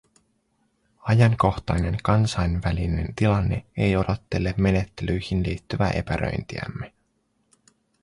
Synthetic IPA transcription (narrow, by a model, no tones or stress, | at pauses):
ɑjɑŋko̞xt̪ɑjne̞ŋkɑnsɑjnʋæline̞nt̪ilɑnːe̞ejo̞dot̪ːe̞lːemme̞ne̞t̪ːe̞lyjhinliːt̪ːyʋæ̰ʔe̞̰pæɾʔø̰jnt̪iæ̰mːe